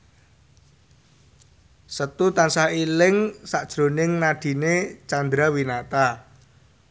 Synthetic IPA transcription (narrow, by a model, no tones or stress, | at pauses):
sət̪ut̪ansahilɪŋsaʔd̥ʒ̥ɾo̤nɪŋnaɖ̥i̤net͡ʃand̪ɾawinat̪a